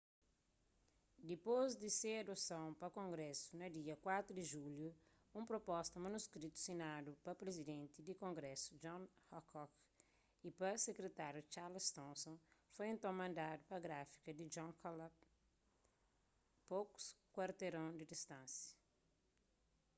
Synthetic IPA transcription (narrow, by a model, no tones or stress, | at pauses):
d̪ipozd̪iseɐd̪osɐ̃w̃pɐkõŋɡɾɛsunɐd̪iɐkwat̪ɾud̪iʒulju | ũpɾopɔst̪ɐmɐnuskɾit̪u̥sinadupɐpɾezid̪ẽnt̪id̪ikõŋɡɾɛsud͡ʒɔ̃nhɔkɔk | ipɐsekɾet̪aɾjut͡ʃaɾlst̪ɔ̃nsõnfojẽnt̪ɐ̃w̃mɐ̃nd̪ad̪upɐɡɾafi̥kɐd̪id͡ʒɔ̃kʰɔla | poku̥skwaɾt̪eɾõd̪id̪ist̪ɐ̃nsjɐ̥